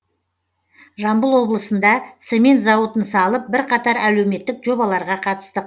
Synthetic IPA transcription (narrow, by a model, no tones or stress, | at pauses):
ʒɑmbəlˠwo̞blˠəsənd̪ɑt̪semʲent̪zɑwət̪ənsɑlˠəp̚bɪɾqɑt̪ɑɾæle̞wme̞t̪ːɪkʒo̞bɑlˠɑɾʁɑqʰɑt̪ə̥st̪əq